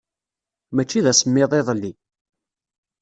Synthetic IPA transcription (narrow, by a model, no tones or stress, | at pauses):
mæt͡ʃːiðæsəmːɪðˤeðˤlːi